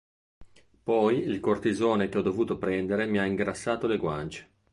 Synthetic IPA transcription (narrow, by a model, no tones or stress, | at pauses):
pɔjilkort̪ezoːnekeɔd̪ovuːt̪opɾɛnd̪eɾemiaiŋɡɾasːaːt̪oleɡwa̰nt͡ʃe̥